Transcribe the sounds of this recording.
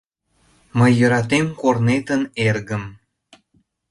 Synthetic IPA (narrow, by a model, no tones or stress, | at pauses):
məjːəɾɑt̪̬emkornet̪ənerɣəm